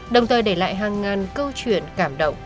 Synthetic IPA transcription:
ɗə˨˩wŋ͡mt̪ʰəː˨˩jɗe˧˩la̰ː˧˨jɦaː˨˩ŋːaː˨˩nkəː˧wt͡ɕwi˧˨ənkaː˧˩mɗə̰˧˨wŋ͡m

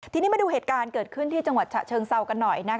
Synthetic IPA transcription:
t̪ʰiː˧niː˦˥ma˧nduː˧ɦeː˨˩t̪̚kaː˧nkɤː˨˩t̪̚kʰɯ˥˩nt̪ʰiː˥˩t͡ɕa˧ŋwa˨˩t̪̚t͡ɕʰa̰˨˩t͡ɕʰɤː˧ŋsa˧wka˧nːɔ˨˩jna˦˥

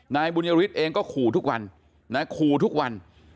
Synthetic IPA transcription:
naː˧jbu˧na˧wi˦˥t̪̚ʔeː˧ŋkɔː˥˩kʰuː˨˩t̪ʰu˦˥k̚wa˧n | na˦˥kʰuː˨˩t̪ʰu˦˥k̚wa˧n

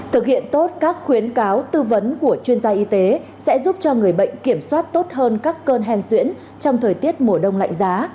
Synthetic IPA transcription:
t̪ʰɨ˨˩k̚hḭ˧˨ənt̪o˦˥t̚kaː˦˥k̚xwi˨˦ənkaː˨˦wt̪ɨ˧və˨˦nku˧˩ət͡ɕwi˧ənzaː˧ʔi˧t̪e˨˦sɛ̰˧˥zu˦˥p̚t͡ɕɔ˧ŋɨ˨˩əjɓə̰˧˨jŋ̟ki˧˩əmswaː˦˥t̚t̪o˦˥t̚ɦəː˧nkaː˦˥kːəː˧nɦɛ˧nswḭ˧˥n | t͡ɕɔ˧wŋ͡mt̪ʰəː˨˩jt̪i˦˥ət̚mo˨˩əɗə˧wŋ͡mla̰˧˨jŋ̟zaː˨˦

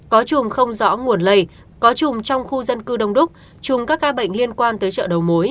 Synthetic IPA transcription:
kɔ˨˦t͡ɕʊ˨˩ŋ͡mxə˧wŋ͡mzɔ̰˧˥ŋu˨˩ənlə˧˩j | kɔ˨˦t͡ɕʊ˨˩ŋ͡mt͡ɕɔ˧wŋ͡mxu˧zə˧nkɨ˧ɗə˧wŋ͡mɗʊ˦˥k͡p̚ | t͡ɕʊ˨˩ŋ͡mkaː˦˥k̚ːaː˧ɓə̰˧˨jŋ̟li˧ənkwaː˧nt̪əː˨˦jt͡ɕə̰ː˧˨ɗə˨˩wmo˨˦j

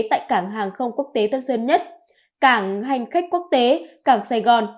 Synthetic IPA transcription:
t̪a̰ː˧˨jkaː˧˩ŋɦaː˨˩ŋxə˧wŋ͡mku˦˥ək̚t̪e˨˦t̪ʰə˧t̚səː˧nɲə˦˥t̚ | kaː˧˩ŋɦa˨˩jŋ̟xa˦˥k̟̚ku˦˥ək̚t̪e˨˦kaː˧˩ŋsaː˧jɣɔ˨˩n

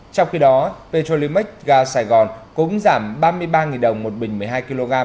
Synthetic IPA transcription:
t͡ɕɔ˧wŋ͡mxi˧ɗɔ˨˦pe˧to˧li˧m˦˥k̚ɣaː˧saː˧˩jɣɔ˨˩nkʊ˨˦ŋ͡mzaː˧˩mɓaː˧mɨ˧əjɓaː˧ŋi˨˩nɗə˨˩wŋ͡mmo˨˩t̚ɓï˨˩ŋ̟mɨ˨˩əjɦaː˧jki˧lo˧ɣaː˧m

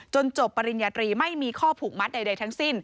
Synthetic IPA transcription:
t͡ɕo˧nt͡ɕo˨˩pːa˧ɾi˨˧njaː˧t̪ɾiː˧ma˥˩jmiː˧kʰɔː˥˩pʰuː˨˩k̚ma˦˥t̪̚da˧jda˧jt̪ʰa˦˥ŋsi˥˩n

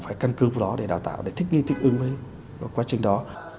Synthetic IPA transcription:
ŋ͡mfaː˧˩jka˧nkɨ˨˦vaː˨˧˩wɗɔ˨˦ɗe˧˩ɗaː˨˩wt̪a̰ː˧˨wɗe˧˩t̪ʰï˦˥k̟̚ŋi˧t̪ʰi˦˥k̟̚ʔɨ˨˦ŋvəː˨˦˨ | kwaː˨˦t͡ɕï˨˩ŋ̟ɗɔ˨˦

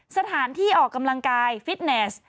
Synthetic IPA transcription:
sa˧t̪ʰaː˩˦nt̪ʰiː˥˩ʔɔː˨˩kːa˧mla˧ŋkaː˧jfi˦˥t̪̚ne˦˥s

